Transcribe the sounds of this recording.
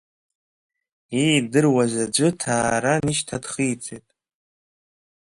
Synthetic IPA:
ejdɨrwazad͡ʒʷɨtʰaːɾaniʃtʰad̥χijt͡sʼejtʼ

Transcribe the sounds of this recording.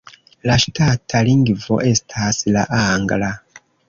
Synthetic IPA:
laʃi̥tatʰaliŋɡivo̰ʔesi̥tʰasilaʔaŋɡala

